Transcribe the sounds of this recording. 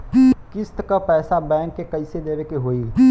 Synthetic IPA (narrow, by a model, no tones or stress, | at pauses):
kɪst̪kapɛːsabɛːŋkːekəɪsed̪eːɾekeɦoːiː